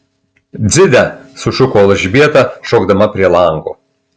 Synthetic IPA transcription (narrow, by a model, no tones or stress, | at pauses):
d̪zʲɪd̪ʲæsʊʃʊkoːlˠɐʒʲbʲiɛt̪ɑʃoːɡd̪ɐmɐpʲɾʲiɛlˠɐŋɡo̰ː